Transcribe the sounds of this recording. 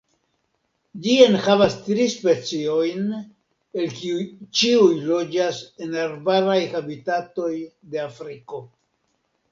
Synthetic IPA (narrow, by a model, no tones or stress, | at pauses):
d͡ʒienhavastɾispe̞t͡sio̞jn | e̞lkit͡ʃiujlo̞d͡ʒase̞naɾbaɾajhabitato̞jde̞afɾiko̞